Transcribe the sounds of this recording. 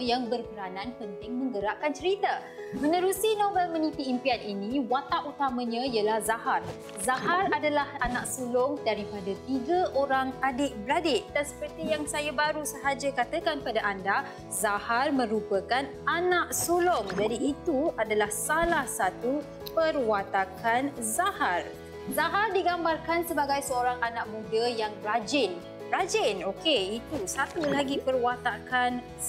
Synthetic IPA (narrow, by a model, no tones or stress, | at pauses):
jaŋbərpəɾanãnpənt̪ɪŋmə̃ŋɡəɾaʔkant͡ʃəɾit̪a | mə̃nə̃ɾusinõvɛlmə̃nit̪iimpianinĩwat̪aʔut̪amãɲãijəlahzahar | zaɦaradalahanaʔsolɔŋdaɾipadat̪iɡaʔoɾaŋadɪʔbladɪʔdansə̥pərt̪ijaŋsajabaɾusəɦad͡ʒakat̪əkanpadaʔanda | zaharmə̃ɾupəkan | anaʔsolɔmd͡ʒadiːt̪uadalahsalahsat̪u | pərwat̪akʰanzahar | zaɦardiɡambarkansəbaɡajsəoɾaŋanãʔmũdəjaŋɾad͡ʒɪn | ɾad͡ʒɪnokeit̪usat̪ulaɡipərwat̪akan